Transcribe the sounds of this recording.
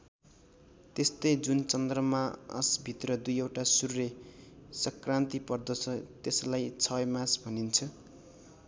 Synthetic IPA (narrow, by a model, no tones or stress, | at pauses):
t̪est̪ʌjd͡zunt͡sʌnd̪rʌmaʌ̰sbʱit̪rʌd̪ujewʈasurresʌkrant̪ipʌrd̪ʌt͡sʰʌt̪eslajt͡sʰʌmasbʱʌnint͡sʰʌ